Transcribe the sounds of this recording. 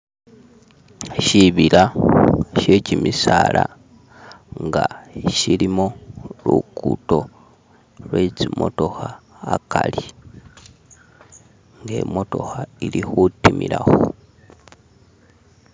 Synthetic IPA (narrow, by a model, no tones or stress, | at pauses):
ʃiβila | ʃe̞cimisala | ŋɡaʃilimolukuto̞ | lwet͡simo̞to̞xaː | kali | ŋɡe̞̰mo̞to̞̰xailixutimiɾaxo